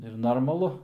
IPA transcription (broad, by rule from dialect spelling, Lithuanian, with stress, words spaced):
ɪr noːrmɐˈlˠʊ